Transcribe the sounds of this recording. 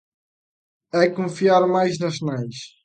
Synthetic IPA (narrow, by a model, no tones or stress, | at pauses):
ɛkõfiaɾmajʒnɐʃnajʃ